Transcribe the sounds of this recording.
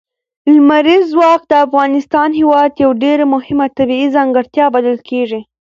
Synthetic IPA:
lmaɾizwɑq̚d̪əafɣɑnɪst̪ɑnhewɑd̪jawɖeɾamʊhɪmat̪abiizaŋɡəɾt̪jɑbaləlkʰeʐi

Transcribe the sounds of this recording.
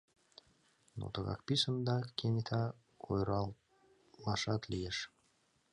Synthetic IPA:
nṵt̪əɣɑ̰kpisənd̪ɑkʲːenʲit̪ʰa | kʰojɾɑ | lɑʃɑt̪lʲijeʃ

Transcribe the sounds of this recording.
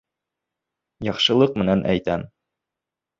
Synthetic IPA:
jɑqʃɤ̆lˠɤq̚mɘ̆nænʔæ̰jt̪æn

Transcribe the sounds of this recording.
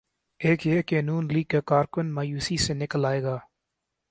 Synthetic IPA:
eːkjeːkenuːnliːɡ̚kekaːɾkʊnmaːjuːsisenɪkəlaːeːɡaː

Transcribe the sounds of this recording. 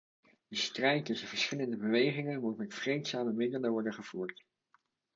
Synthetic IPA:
dəstrɛjtːɵsəv̥əɹsχɪləndəbəʋejχɪŋənmutmɛtfrejtsaːməmɪdələʋɔɹdəχəv̥uːɹt

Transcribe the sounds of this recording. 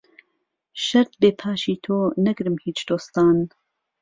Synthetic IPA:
ʃɐɾt̪̚beːpʰaːʃiːt̪ʰoːnɐɡɾɨmhiːt͡ʃd̪oːst̪aːn

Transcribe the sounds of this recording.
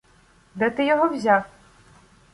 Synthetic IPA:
d̪ɛt̪ɨjɔɦɔwzʲaf

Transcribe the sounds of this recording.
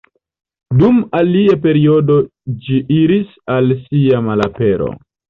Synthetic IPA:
dumaliape̞ɾiodod͡ʒiʔiɾis | alsiamalapeɾo̰

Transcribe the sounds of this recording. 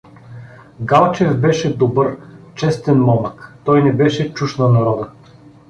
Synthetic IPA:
ɡalˠt͡ʃɛvbɛʃɛd̪obɤɾt͡ʃɛst̪ɛnmɔmɐkt̪ɔjnɛbɛʃɛt͡ʃuʃnɐnɐɾɔd̪ə

